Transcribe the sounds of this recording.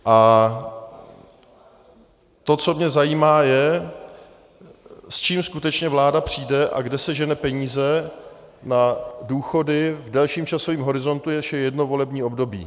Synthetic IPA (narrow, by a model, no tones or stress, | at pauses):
ʔa | t̪o̞t͡so̞mɲɛzajiːmaːjɛ | st͡ʃiːmskut̪ɛt͡ʃɲɛvlaːdapr̝̥iːdɛʔa̰ɡdɛsɛʒɛnɛpɛɲiːzɛ | naduːxo̞dɪvdɛlʃiːmt͡ʃaso̞viːmɦo̞ɾɪzo̞nt̪ujɛʃɛjɛdnovo̞lɛbɲiːo̞bdo̞bḭː